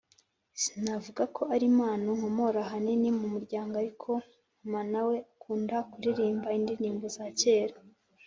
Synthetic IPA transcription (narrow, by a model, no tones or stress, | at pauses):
sinavuɡakʰo̞aɾimaːnoŋ̥omo̞ɾaɦaninimumuɾɟaːŋɡoaɾikʰo̞ | umanaweakuːndakuɾiɾiːmbaindiɾiːmbozace̞ːɾa